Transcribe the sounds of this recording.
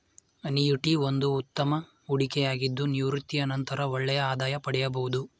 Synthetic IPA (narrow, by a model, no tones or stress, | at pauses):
ɐnijuʈiond̪uːt̪ːɐmɐ | uɽikɛjaːɡid̪ːuniʋɾut̪ːijɐnɐnt̪ɐɾɐɔɭːɛjɐaːd̪aːjɐpɐɽɛjɐbɐwud̪u